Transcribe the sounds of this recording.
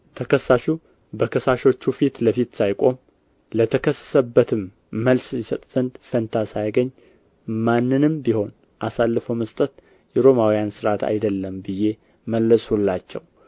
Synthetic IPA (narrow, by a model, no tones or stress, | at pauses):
t̪ʰəkʰəsːaʃu | bəkʰəsaʃo̞t͡ʃːufit̪ləfit̪sajkʼo̞m | lət̪ʰəkʰəsːə̥səbːət̪ʰɨmː | əlsjɪsət̪ʼz̥ənd̪fənt̪ʰasajɡəɲː | manːɨnɨmbiho̞n | ʔasalːɨfəwməst̪ʼət̪ | jɛɾo̞mawijansɨɾʔat̪ʰa̰jd̪əlːəmbɨje̞ | məlːəshulːat͡ʃːɛ̰w